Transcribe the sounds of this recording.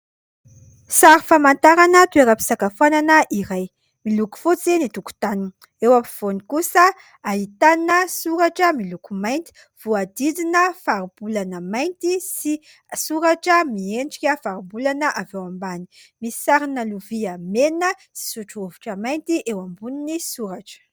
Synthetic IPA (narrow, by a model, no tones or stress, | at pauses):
saɾifamant̪aɾanət̪ueɾəpi̥sakafananəʔiɾaj | miluku̥fot͡senit̪uku̥t̪anin | ewapi̥v̥onikusə | aɦit̪anəsuɾaʈ͡ʂəmilukumajnt̪i̥ | v̥uad̪id̪inəfaɾibulanəmajnt̪isi | suɾaʈ͡ʂəmieɳɖ͡ʐikʲəfaɾibulanəʔavewambani̥misi̥saɾinəluviamenəsi̥suʈ͡ʂuovuʈ͡ʂəmajnt̪iʔewambuninisuɾaʈ͡ʂə̥